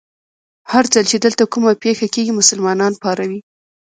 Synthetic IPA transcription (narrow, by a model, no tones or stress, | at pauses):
haɾd͡zalt͡ʃed̪əlt̪akumapexakeɡimʊsəlmɑnɑnpɑɾawi